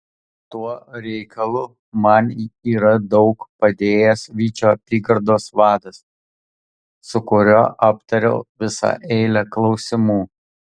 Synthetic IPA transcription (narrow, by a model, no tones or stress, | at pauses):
t̪uɔɾʲɛɪkʰɐlˠʊ | mɐniːɾɐd̪ɒʊkpɐd̪ʲeːjɛsʋʲiːt͡ʃʲoːɐpʲiːɡɐɾd̪oːsʋɑːd̪ɐs | sʊkʊɾʲoːʔɐp̚t̪ɐɾʲɛ̰ʊʋʲɪsɑ̰ʔɛɪlʲɛklˠɒʊsʲɪmuː